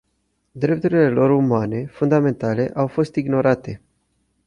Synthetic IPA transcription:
d̪ɾe̞p̚t̪uɾile̞lo̞ɾumane̞fund̪ame̞nt̪ale̞ʔawfo̞st̪iɡno̞ɾat̪e̞

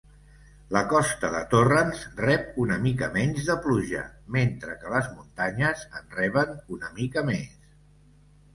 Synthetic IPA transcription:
ləkɔst̪əðə̰t̪orənzrɛp̚unəmikə̰mɛɲzðəpluʒə̰ment̪ɾəkələzmunt̪aɲəzənrɛβənunəmikəmes

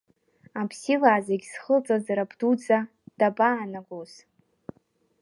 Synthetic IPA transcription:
apʰsilaːzaɡʲsχəlt͡sʼazaɾapdut͡sʼa | d̥abʼaːnaɡos

